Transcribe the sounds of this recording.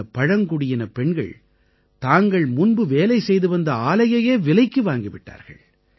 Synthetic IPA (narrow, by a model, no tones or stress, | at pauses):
ɐpɐɻɐŋkʊɽɪjɪnɐpɛɳɡɐ̰ɭ | t̪aːŋɡɐɭmʊnbɯʋeːlɐɪsɛjðɯʋɐnd̪ɐaːlɐjɐjeːʋɪlɐɪkːɯʋaːŋɡɪʋɪʈːa̰ːɾɣɐ̰ɭ